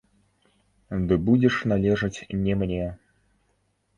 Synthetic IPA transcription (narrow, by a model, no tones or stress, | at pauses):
d̪ɨbud͡zʲɛʂnalʲɛʐɐt͡sʲnʲɛmnʲɛ